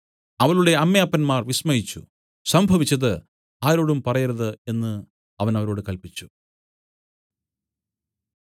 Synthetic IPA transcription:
ɐʋɐɭuɽe̞ɐmjaːpːɐnmaːrʋismɐjit͡ɕːṵ | sɐmbʱɐʋit͡ɕːɐðɨ | aːɾo̞ːɽumpɐrɐjiɾɐðɨe̞nːɨ | ɐʋɐnɐʋɐɾo̞ːɽɨkɐlpit͡ɕːu̥

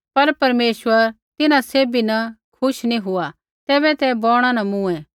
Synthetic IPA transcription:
pɐɾpɐɾmeːsʋəɾ | t̪ɪnãseːbinɐkʰʊʃnĩɦʊa | t̪ɛːbɛt̪ɛbɔːɽ̃ãnɐmũɛ̃ː

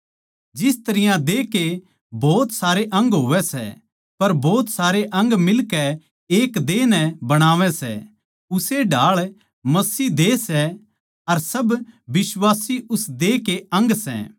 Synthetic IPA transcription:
d͡ʒɪst̪ɐɾɪjãd̪eːke | bɔːt̪saːɾeʔɐ̃ŋɡɦoːʋɛsɛ̰ | pɐɾbɔːt̪saːɾeʔɐ̃ŋɡmɪlkɛ | eːkd̪eːnɛ̃bɐɽ̃aːʋɛsɛ̰ | ʊseɖʱaːɭ | mɐsiːd̪eːsɛ | ɐɾsɐbʋɪswaːsiʔʊsd̪eːkeɐ̃ŋɡsɛ̰ː

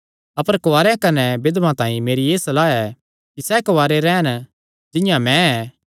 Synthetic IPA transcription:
ɐpəɾkoʋaːɾeãkɐnɛbɪd̪mãt̪ãːĩmeːɾijeːsɐlaːɛ | kisɛkoʋaːɾeɾɛːn | d͡ʒɪ̃jãmɛ̃ɛː

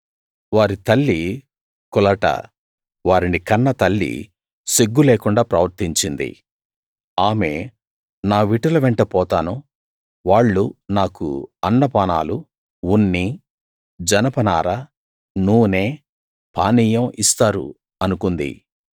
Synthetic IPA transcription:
ʋaːɾit̪ɐlːi | kɔlɐʈɐ̰ | ʋaːɾinikɐnːɐt̪ɐlːḭ | siɡːuleːkuɳɖaːpɾɐʋɐɾt̪iɲt͡ʃind̪ḭ | aːme̞̰ː | naːʋiʈɐlɐʋɛɳʈɐpɔːt̪aːnu | ʋaːɭːunaːkṵɐnːɐpaːna̰ːlu | unːi | d͡ʒɐnɐpɐnaːɾɐ | nuːne̞ː | pʰa̰ːniːjɐmist̪aːɾṵ | ɐnukund̪ḭ

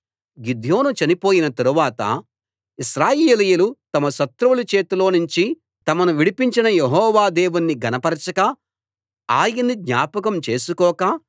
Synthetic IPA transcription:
ɡid̪ʱjo̞ːnut͡ʃɐnipo̞ːjinɐt̪ɐɾuʋaːt̪ɐ̰ | iʃɾaːjeːlɐjːlut̪ɐmɐʃɐt̪ːɾuʋulut͡ʃe̞ːt̪ulo̞ːnuɲt͡ʃi | t̪ɐmɐnuʋiɽipiɲt͡ʃinɐjeɦɔːʋaːd̪eːʋunːiɡɐnɐpɐɾɐt͡ʃɐkɐ | aːjɐnːid̪ɲaːpɐkɐmt͡ʃe̞ːsukɔːka

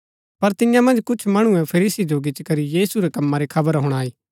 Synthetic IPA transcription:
pɐɾt̪ɪjãmɐ̃nd͡ʒkʊt͡ʃʰmɐɽ̃ʊɛ̃pʰɐɾiːsid͡ʒoɡɪt͡ʃkɐɾijiːsuɾekɐmːãɾekʰɐbəɾɦʊɽ̃aːiː

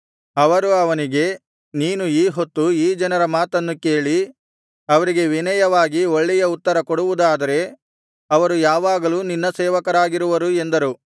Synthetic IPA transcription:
ɐʋɐɾuɐʋɐniɡe̞ | niːnuiːɦo̞t̪ːuiːd͡ʒɐnɐɾɐmaːt̪ɐnːuke̞ːɭi | ɐʋɐɾiɡe̞ʋinɐjɐʋaːɡio̞ɭːɛjɐut̪ːɐɾɐkoɔɽuʋud̪aːd̪ɐɾe̞ | ɐʋɐɾujaːʋaːɡɐluːninːɐsɛːʋɐkɐɾaːɡiɾuʋɐɾue̞nd̪ɐɾu

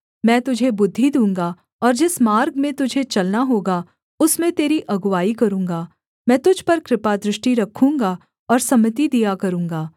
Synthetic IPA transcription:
mɛ̃ːt̪ʊd͡ʒʱebʊd̪ʱːid̪ũːŋɡa | ɔːɾd͡ʒɪsmaːɾɡmẽt̪ʊd͡ʒʱet͡ʃɐlnaɦoːɡa | ʊsmẽt̪eːɾiʔɐɡwaːikɐɾũːŋ̆ɡaː | mɛ̃ːt̪ʊd͡ʒʱpɐɾkɾɪpad̪ɾɪʃʈiɾɐkʰũːŋɡa | ɔːɾsɐmət̪̬id̪ijakɐɾũːŋɡaː

